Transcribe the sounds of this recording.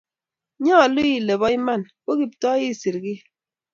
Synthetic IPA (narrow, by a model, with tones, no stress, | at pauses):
ɲɔ˦a˨lu˦i˦˨le˨βɔ˦i˦ma˦˨nko˦ki˨p̚tɔ˦ji˦˨si˨ɾɡi˦